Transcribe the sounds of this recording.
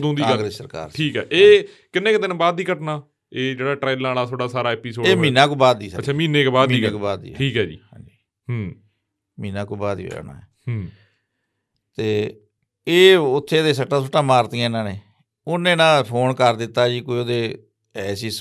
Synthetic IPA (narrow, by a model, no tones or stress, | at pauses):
d̪õːnd̪iãːɡɾeːsəɾka̰ːɾʈʰiːkɦɛːʔeː | kɪnːẽːkɪd̪ɪnbaːd̪iːkəʈnaː | eːd͡ʒeːɽaːʈɾaːlaːɽaːt̪ʰoːɽaːsaːɾaːɛːpiːsoːeːmĩːnãːkoːbaːd̪iːsət͡ʃʰːʃʰaːmĩːneːkːbaːd̪miːẽːkːbaːd̪ḭːʈʰiːkɦɛːd͡ʒḭːhã̰ːd͡ʒiː | ɦ | mĩːnãːkoːbaːd̪ḭːna̰ːɛ̰ː | t̪eː | eːʊt̪ʰːeːd̪eːsəʈːãːsoʈãːmaːɾt̪ɪjãːɪnãːneː | ʊnẽːnãːpʰoːnkəɾd̪ɪt̪ːaːd͡ʒiːkoːioːd̪eː | ɛːsiːs